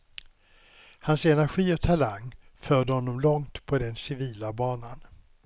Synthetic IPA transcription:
hansɛnæɾɧiːɔt̪ʰalaŋfœːɖəhɔnːɔmlɔŋt̪pʰɔd̪ɛnsɪviːlabɑːnan

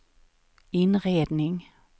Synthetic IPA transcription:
ɪnɾeːd̪nɪŋ

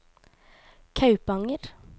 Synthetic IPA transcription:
kʰɑʉpɑŋəɾ

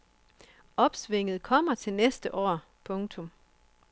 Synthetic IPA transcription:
ɒ̽b̥sʋe̝ŋ̰ð̞̩ˠkʰɒ̽m̰ɐt͡sʰe̝lnesd̥əʔɒ̰ː | pʰɔ̽ŋt͡sʰɔ̽m

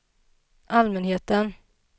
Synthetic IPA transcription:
ʔalmɛnheːt̪ən

